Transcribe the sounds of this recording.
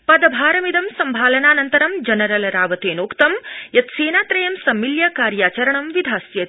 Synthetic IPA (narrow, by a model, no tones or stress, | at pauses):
pɐd̪ɐbʱaːɾɐmid̪ɐmsɐmbʱaːlɐnaːnɐnt̪ɐɾɐmd͡ʒɐnɐɾɐlɐɾaːʋɐt̪eːnoːkt̪ɐmjɐt̪seːnaːt̪ɾɐjɐmsɐmːiljɐkaːɾjaːt͡ʃɐɾɐɳɐmʋid̪ʱaːsjɐ